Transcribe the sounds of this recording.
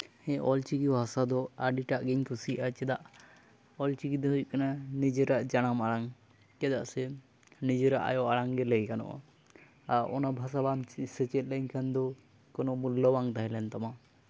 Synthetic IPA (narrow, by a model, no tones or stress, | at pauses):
hɛ̃ʔɔlt͡ʃikibʱasad̪ɔaɖiʈaʔɡɛɲkʰusiat͡ʃɛd̪aʔ | ɔlt͡ʃikid̪ɔɦujkananid͡ʒɛɾaʔd͡ʒaɽ̃amaɽaŋ | kɛd̪aʔsɛ | nid͡ʒeɾaʔa̰jɔʔaɽaŋɡɛlɛɡkanɔ̰ʔa̰ | aɾʔɔnabʱas̬abamsɛt͡ʃɛt̪̚ˀləɲkʰand̪ɔ | kɔnɔmulːɔwaŋd̪aɦɛlɛnt̪ama